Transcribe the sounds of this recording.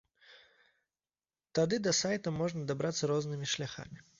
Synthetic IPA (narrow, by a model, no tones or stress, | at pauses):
t̪ɐd̪ɨd̪ɐsajt̪əmɔʐnəd̪ɐbɾat̪sːəɾoznɨmʲɪʂlʲaxa̰mʲɪ